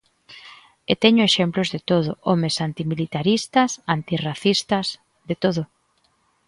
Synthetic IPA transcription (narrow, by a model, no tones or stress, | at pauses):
et̪ɛɲʊeʃɛmplʊzðet̪oð̞ʊomesant̪imilit̪aɾist̪ɐsant̪iraθist̪ɐs | ðet̪oðʊ